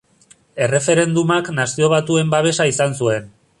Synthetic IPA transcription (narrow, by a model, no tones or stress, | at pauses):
e̞re̞fe̞ɾe̞nd̪umaknasio̞β̞at̪ue̞mbaβ̞e̞saisansue̞n